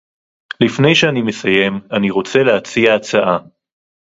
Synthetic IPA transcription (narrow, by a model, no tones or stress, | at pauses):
lifne̞jʃeanimesaje̞maniʁo̞t͡se̞leat͡siaːt͡saʔa